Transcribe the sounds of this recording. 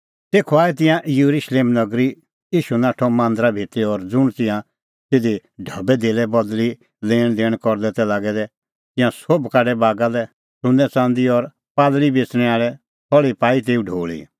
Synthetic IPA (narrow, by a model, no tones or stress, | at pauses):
t̪eːkʰɔaːɛt̪̬ɪ̃jãʔjuɾuʃleːmnɐɡɾi | iːʃunaːʈʰɔmãːnd̪ɾabʱet̪eɔɾd͡zʊɽ̃t̪ɪ̃jã | t̪ed̪iɖʱɐbɛd̪eːlɛbɔd̪li | lẽːd̪eːɽ̃kɔɾd̪ɛt̪ɛlaːɡɛd̪ɛ | t̪ɪ̃jãsobkaːɖɛbaːɡalɛ | sʊ̃nd̪ɛt͡sãːnd̪iɔɾ | paːd̪libeːt͡sɽ̃ɛ̃aːɭɛ | pʰɔɭipaːit̪̬eːuɖʱoːɭḭ